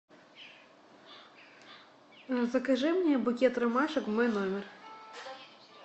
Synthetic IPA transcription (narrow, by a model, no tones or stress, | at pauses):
zɐkɐʒɪmnʲɛbʊkʲɛt̪ɾɐmɑʃɐkmɪnɔmʲɛr